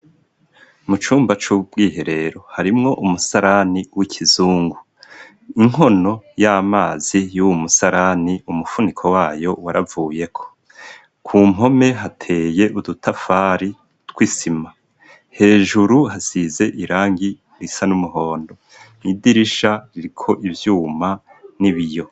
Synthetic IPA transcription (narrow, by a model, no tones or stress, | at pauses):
mut͡ʃuːmbat͡ʃub̚ɡiːɦe̞ɾe̞ɾo̞haɾimŋo̞ʔumusaɾaniwikʰizuːŋɡu | iŋ̥o̞no̞jamaːzijuwumusaɾaniumufunikʰo̞waːjo̞waɾavuːje̞kʰo̞̥ | kʰuːm̥ɦo̞me̞ɦatʰe̞je̞ʔudutʰafaːɾi | twisima | he̞ːʒuɾuɦasize̞ʔiɾaːŋɡi | ɾisanumuɦo̞ːndo̞ | nidiɾiʃaɾiɾikʰo̞ʔivjuːmaniβijo̞